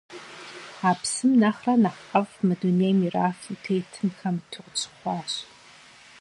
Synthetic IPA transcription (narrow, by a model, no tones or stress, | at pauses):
aːpsɨmnaχranaχqɐvmɨdunemiraːxitʰejtʰɨnxɐmtʰɨqʊt͡ʃʰɨ̥χʷɑːɕ